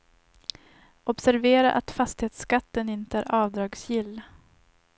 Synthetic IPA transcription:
ʔɔbsæɾveːɾaʔa̰t̪fast̪ɪheːt̪skat̪ːənɪnt̪əæːɾɑːvd̪ɾɑːɡsjɪlː

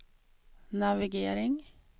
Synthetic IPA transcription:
nɑʋɪɡeːɾɪŋ

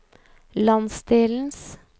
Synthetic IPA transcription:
lɑnsd̪eːln̩s

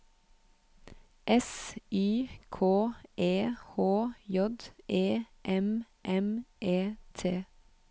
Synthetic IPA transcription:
ʔɛsyːkʰoːʔeːhoːjɔd̪ʔeː | ʔɛm | ʔɛmʔeːt̪ʰeː

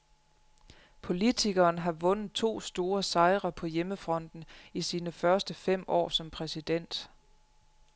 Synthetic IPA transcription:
pʰo̝lit͡sʰiɡ̥ɐːnɦɑ̈ʋɔ̽nəð̩ˠt͡sʰo̝̰ːsd̥o̝ːɐsɑ̈ɪʁɐpʰɒ̽jeməfʁɒ̽n̰d̥n̩isiːnəfɶɐsd̥əfem̰ɒ̰ːsɒ̽mpʰʁɛsid̥en̰d̥

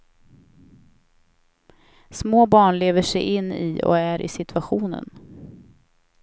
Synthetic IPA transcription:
smoːbɑːɳleːvəʂɛjʔɪnːɪɔ̰æɾʔɪ̰sɪt̪ʰvaɧuːnə̰n

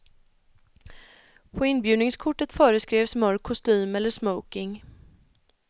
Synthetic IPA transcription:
pʰɔɪnbjʉ̟ːd̪nɪŋskʰʊʈːət̪fœːɾəskɾeːvsmœɾkʰːʊst̪yːmɛlːəʂməwkɪŋ

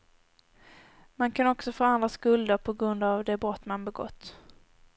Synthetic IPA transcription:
mankʰanɔksɔfoːand̪ɾaskɵld̪əɾpʰɔɡɾɵnd̪avd̪ɛbɾɔt̪ːmanbɛɡɔ̰t̪ː

